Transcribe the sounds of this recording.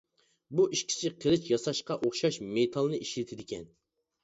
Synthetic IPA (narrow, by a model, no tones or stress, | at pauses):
buʔiʃkʲʰi̥sɪqʰəlˠɪt͡ʃjɑsɑʃqɑʔoχʃɑʃmet̪ʰɑlˠnɨiʃlɪt̪ʰɪd̪ɪkʲʰɛn